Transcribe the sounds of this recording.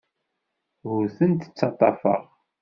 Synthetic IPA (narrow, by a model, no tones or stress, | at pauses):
ɣʊɾθənt̪ə̥t͡sːɑt̪ˤːɑfə̰ʁ